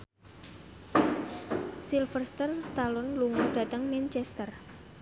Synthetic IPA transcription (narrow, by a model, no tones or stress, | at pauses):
silfərst̪ərst̪alɔnluŋuɖ̥ä̤t̪əŋmant͡ʃɛst̪ər